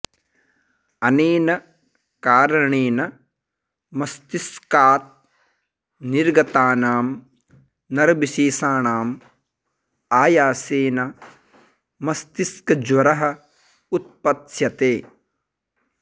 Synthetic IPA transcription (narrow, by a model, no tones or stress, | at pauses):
ɐneːnɐ | kaːɾɐɳeːnɐ | mɐst̪iskaːt̪̚ | niɾɡɐt̪aːnaːm | nɐɾbiʃiːsaːɳaːm | aːjaːseːnɐ | mɐst̪iskɐd͡ʒʋɐɾɐɦɐ̆ | ut̪̚pɐt̪ʃjɐt̪eː